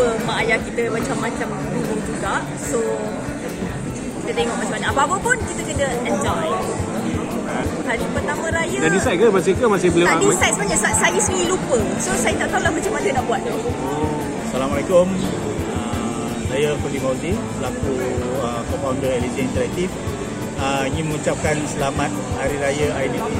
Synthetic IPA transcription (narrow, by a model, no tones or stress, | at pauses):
əmaːjakit̪əmat͡ʃamːat͡ʃam | kubuŋd͡ʒuɡaʔ | so | kit̪ət̪eŋɔʔ̚mat͡ʃamːaɲãʔapaːpəpʊnkit̪əkənəəɲd͡ʒaw | kankadipərt̪amə̃ɾajədadisajt̪̚kəmas̬ikəmasɪhbəlit̪aaisajt̪̚səbaɲasasajəsnilupəsosajat̪aʔt̪aulahmət͡ʃamasajnaʔbuat̪̚d̪o | salamalakʊm | ə | sajapəlikawtibəlakuəkɔmpawndəɛlitiint̪əɾak̚t̪if | əiŋĩnmə̃ŋut͡ʃap̚kansəlamat̪̚haɾiɾajaaini